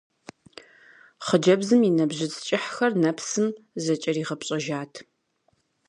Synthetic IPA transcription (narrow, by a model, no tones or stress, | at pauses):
χəd͡ʒɐbzɨminɐbʑɪt͡sʼt͡ʃʼɪħxɐrnɐpsɨmzɐt͡ʃʼɐriːʁɐpɕʼɐʒaːtʰ